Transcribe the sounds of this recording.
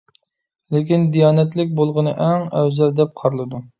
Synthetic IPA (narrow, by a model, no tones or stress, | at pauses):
lekʲind̪ijɑːnɛt̪lɪkʲbolˠʁənɨʔæŋɛwzɛld̪ɛp̚qʰɑɾlˠɨd̪u